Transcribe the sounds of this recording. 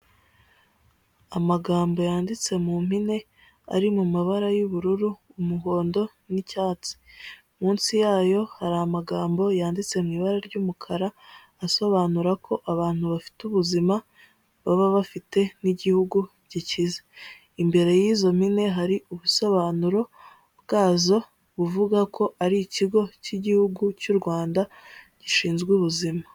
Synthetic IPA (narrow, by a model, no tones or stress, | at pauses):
amaɡaːmbo̞jaːndit͡se̞mum̥ine̞ | a̰ɾimumaβaɾajuβuɾuɾuːmuɦo̞ːndo̞ | nicaːt͡si̥ | muːnsijaːjo̞haɾaamaɡaːmbo̞jaːndit͡se̞mŋiːβaɾaɾɟuːmukʰaɾaː | so̞βaːnuɾakʰo̞ʔaβaːn̥huβafi̥tuβuzima | βaβaβafite̞niɟihuɡu | ɟicize̥ | imbe̞ɾe̞jiːzo̞mhine̞ɦaɾiʔuβuso̞βaːnuɾo̞ | bɡaːzo̞ | βuvuɡakʰo̞ʔaɾiciɡo̞ciɟihuɡucuɾɡwaːnda | ɟ̥iʃiːnzɡuβuzima